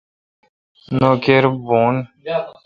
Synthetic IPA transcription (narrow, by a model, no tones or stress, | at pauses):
nokeɾboːn